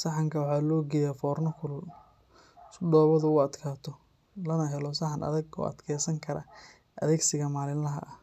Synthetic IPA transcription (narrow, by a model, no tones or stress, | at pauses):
sɐħɑŋkʰɐwɑħɑːlɔːɡɛjafɔːrnɔkʰʊl | sʊɖɔːβɐðʊʊɐd̪kʰaːt̪ʰɔ | lɐnɐɦɛlɔsɐħɑnʔɐ̰ðɐɡɔ̰ːʔɐ̰d̪kʰɛːsɐŋkʰɐɾɐ̰ | ʔɐ̰ðɛːɡsɪɣɐmaːlɪnlɐɦɐ̰ʔɐh